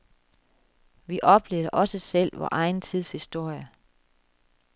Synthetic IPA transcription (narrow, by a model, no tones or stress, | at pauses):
ʋiʔɒ̽b̥le̝̰ːðˠʔɒ̽səsel̰ʋɒ̰ːʔɑ̈ɪnt͡sʰið̞̰ˠshisd̥o̝ɐ̰jə